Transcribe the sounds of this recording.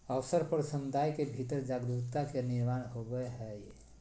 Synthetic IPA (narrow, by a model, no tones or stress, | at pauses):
əʋsəɾpəɾsəmʊd̪ʱajkebʱit̪əɾd͡ʒaɡd̪ut̪akeniɾmanɦobəɦɛj